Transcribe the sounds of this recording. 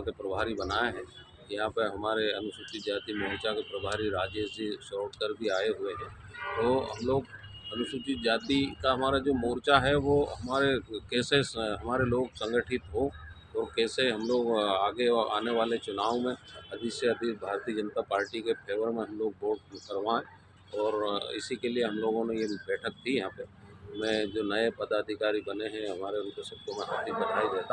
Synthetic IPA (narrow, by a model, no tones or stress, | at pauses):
ɦãkepɾɐbʱaːɾibɐnaːeɦɛ̃ː | jɐɦãpəɦɐmaːɾeɐnʊsʊt͡ʃɪt̪d͡ʒjaːd̪imoːɾt͡ʃakepɾɐbʱaːɾiɾaːd͡ʒeːsisɔːʈkəɾd̪iaːeɦʊeɦɛ̃ː | t̪oɦɐ̰mloːɡ | ɐnʊsʊt͡ʃɪt̪̚d͡ʒjaːd̪ikaɦɐmaːɾad͡ʒoːmoːɾt͡ʃaɦɛʋoɦɐmaːɾekɛːseɦɐmaːɾeloːɡsɐ̃ŋɡəʈʰɪt̪ɦo | ɔːɾkɛːseɦɐmloːɡaːɡea̰ːneʋaːlet͡ʃʊnaːʋmẽɐd̪ʱiseɐd̪ʱibʱaːɾt̪iːəd͡ʒɐnt̪apaːɾʈikepʰeːʋəɾmẽɦɐmloːɡ̚boːʈkɐɾʋãɛ̃ | ɔːɾɪ̰sikelieɦɐmloːɡõnẽjebɛːʈʰək̚t̪ʰijɐɦãːpemɛ̃ːd͡ʒoːnɐepɐd̪aːd̪ʱɪkaːɾibɐneɦɛ̃ɦɐmaːɾeɾupesɐpt̪ʰomẽɦa̰t̪ibɐʈʰaːid̪eːt̪a